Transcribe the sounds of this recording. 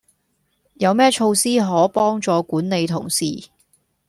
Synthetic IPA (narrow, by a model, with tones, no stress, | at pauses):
jɐ˨˧wmɛː˥t͡ʃʰo˧wsiː˥ɦɔː˨˥pɔː˥ŋt͡sɔː˨˧kuː˨˥nne˨˧jt̪ʰʊ̰˨˩ŋsiː˨˩